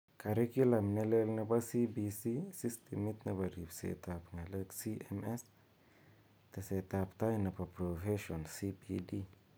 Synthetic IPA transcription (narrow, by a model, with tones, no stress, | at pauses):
ka˨ɾe˦ki˦la˨mne˦le˦lne˦ba˦si˦bi˧si˦si˦st̪i˨mi˦t̪neba˨ɾi˨bsḛ˨t̪a˨pŋe˨le˦ksi˦eme˦s | t̪e˨se˨t̪a˨pt̪a˦jna˨pa˨pɾo˨fe˦ʃo˨nsi˦pidi˦